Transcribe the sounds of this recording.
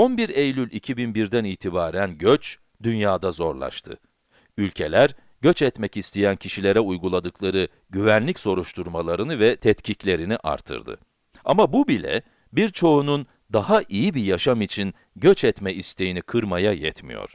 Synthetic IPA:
o̞nbiɾejlʲylʲicʰibinbiɾd̪æniːt̪ʰibaːɾænɟøt͡ʃ | d̪ynjaːd̪azo̞ɾlˠa̰ʃt̪ʰɯ̰ | ylʲcʰe̞lʲæɾ | ɟø̞t͡ʃɛt̪mɛcist̪ʰijæncʰiʃilʲeɾɛujɡulˠad̪ɯkʰlˠaɾɯ | ɟyvænlʲicso̞ɾuʃt̪ʰuɾmalˠaɾɯnɯvɛt̪ʰɛt̪cʰiclʲe̞ɾiniʔa̰ɾt̪ʰɯ̰ɾd̪ɯ̰ | amabubilʲɛ̰ | biɾt͡ʃʰo̞unun | d̪ahaʔijibijaʃamit͡ʃʰin | ɟøt͡ʃɛt̪mɛist̪ʰe̞jinikʰɯɾmajajɛt̪mḭjo̰ɾ̥

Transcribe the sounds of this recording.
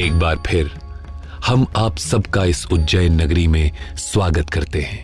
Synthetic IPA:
eːk̚baːɾpʰɪɾ | hɐmaːpsɐbkaɪsʊd͡ʒəjnɐɡɾimẽswaːɡət̪kɐɾt̪eɦɛ̃ː

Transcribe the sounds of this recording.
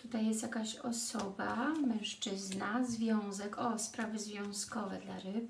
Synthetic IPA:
t̪ut̪ajːɛst̪jakaɕɔsɔbamɛ̃w̃ʂt͡ʂɘznazvʲjɔ̃w̃zɛkɔspɾavɘzvʲjɔ̃w̃skɔvɛ̰d̪laɾɘp̚

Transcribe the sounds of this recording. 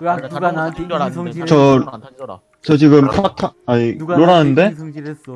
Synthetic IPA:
t͡ɕʌ | t͡ɕʌt͡ɕiɡɯmpʰatʰaaiɾoɾanɯnde̞

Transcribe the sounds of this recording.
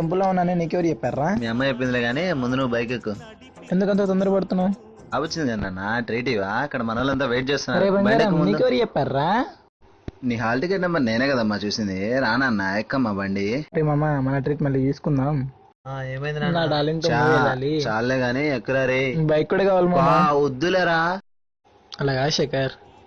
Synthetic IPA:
t̪ɐmp̬uloːunːaːneniːk̬eʋɐɾid͡ʒɛpːaːɾaːmiːɐmːɐːt͡ʃep̬ːind̪leːɡaːniːmund̪unubɐjkɐkːu | end̪ukɐnt̪oːt̪ond̪ɐɾɐpɐɽut̪unːaːm | aːʋɐt͡ʃːind̪iɡɐnːanːaʈɾiːʈ̬iːʋaːɐkːɐɽɐmɐnɐʋaːlːɐnt̪aːʋejʈ̚t͡ʃeːst̪unːaɾeːbɐŋɡaɾɐnːiːkeʋɐɾid͡ʒɛpːaːɾːaː | niːɦaːlʈikeʈnɐmbɐneːneːkɐd̪amːaːt͡ʃuːsind̪iɾaːnaːnːaːjɛkːɐmːaːbɐɳɖiɾeːmɐmːamɐnɐʈɾiːʈmɐlːit̪iːsu̥kunːaːm | aeːmɐjninnaːɖaːliŋt̪uɛlaːlit͡ʃaːlleːɡaːniekːuɾaːɾibɐjkuɽekaːʋaːlmaːmaud̪ːulaɾaː | ɐlaːɡaːʃɐkɐɾ

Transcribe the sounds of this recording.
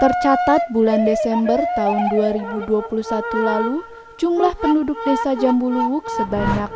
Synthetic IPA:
t̪ərt͡ʃat̪at̪̚bulandesɛmbərt̪aʊnduaɾibuduapulusat̪ulalu | d͡ʒumlahpəndudʊk̚desad͡ʒambuluwʊk̚səbaɲak̚

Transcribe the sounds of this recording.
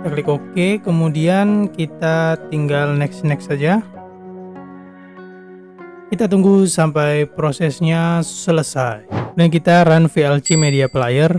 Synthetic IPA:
t̪aklɪkokekəmudiankit̪at̪iŋɡalnɛksnɛksad͡ʒa | kit̪at̪uŋɡusampajpɾosɛsɲasələsajdank̬it̪aɾanfiɛlt͡ʃimediapəlajər

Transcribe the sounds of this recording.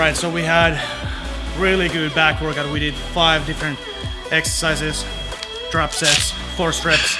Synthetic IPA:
ɹaɪtsoʊwiəd̚ | ɹɪlˠiɡʊd̚bækwə˞kɨ̃wiɾɨd̥faɪvdɪfɹɨ̃nt | ɛksə̥˞saɪzɪz̥ | dɹɑpsɛts | fɔɹstɹ̥ɛts

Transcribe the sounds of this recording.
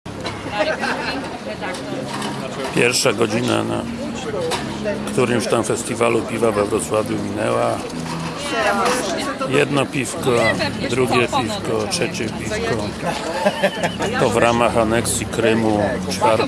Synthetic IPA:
pʲjɛɾfʂaɡɔd͡ʑina̰na̰ | kt̪uɾɘmft̪amfɛst̪ʲivalupʲivavɛvɾɔt̪swavʲjumʲinɛwa | jɛd̪nɔpʲifkɔd̪ɾuɡʲjɛpʲifkɔtʂɛt͡ɕɛpʲifkɔ | tɔvɾamaxanɛksʲjikɾɘmut͡ʂfaɾ

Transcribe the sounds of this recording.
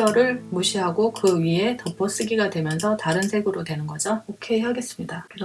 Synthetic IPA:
ʌɾɯɭmuɕʰiɦaɡokɯɥie̞tʌpʰʌs͈ɯɡiɡadwe̞mjʌnsʰʌtaɾɯnsʰe̞ɡɯɾodwe̞nɯnɡʌd͡ʑaokʰe̞ɦaɡe̞s͈ɯmɲidak

